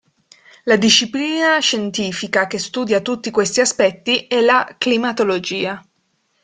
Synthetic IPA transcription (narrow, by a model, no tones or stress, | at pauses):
lad̪iʃːipliːnaʃent̪iːfikak̟est̪uːd̪jat̪ut̪ːikwest̪iaspɛt̪ːiɛlaklimat̪olod͡ʒiːa